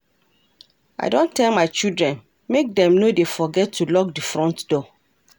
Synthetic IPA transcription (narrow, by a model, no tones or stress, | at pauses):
a̰ɪdõntʰɛlmaɪt͡ʃildɹɛ̃n | mek̚dɛ̃mnodefɔɡɛtʰːulɔk̚difɹɔ̃ntdɔ